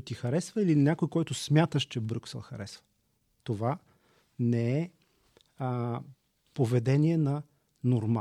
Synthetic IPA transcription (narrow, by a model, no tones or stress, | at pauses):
t̪ixɐɾɛsvəilinʲakojkɔjt̪ʊsmʲjat̪əʃt͡ʃɛbɾuksɛ̰lˠxɐ̰ɾɛsvə̥ | t̪ova | nɛɛ | povɛd̪ɛniɛnɐ | noɾma